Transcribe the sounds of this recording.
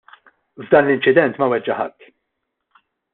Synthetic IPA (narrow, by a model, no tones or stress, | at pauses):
vd̪ɐːnlɪnt͡ʃɪd̪ɛnt̪mɐwɛd͡ʒːɐħɐ̰t̪ː